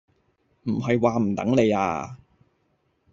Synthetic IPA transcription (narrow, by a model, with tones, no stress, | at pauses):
m̩˨˩ɦɐ˨jwaː˨˧m̩˨˩t̪ɐ̰˨˥ŋle˨˧ja̰ː˧